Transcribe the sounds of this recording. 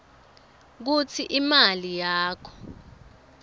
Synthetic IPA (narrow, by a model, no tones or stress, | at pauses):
k̬ut͡sʰiʔimalijaːkʰɔ̥